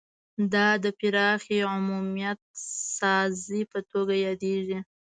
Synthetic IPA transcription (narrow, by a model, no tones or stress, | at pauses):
d̪ɑd̪əpɪɾɑxiʕʊmumijat̪̚sɑzipət̪oɡajɑd̪eʒi